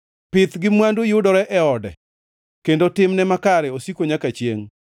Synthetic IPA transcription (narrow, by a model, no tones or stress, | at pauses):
pɪt̪ɡɪmwandojʊdɔɾɛʔɛɔdɛ̰ | kendotɪmnɛmakaɾɛosikoɲakat͡ʃjeŋ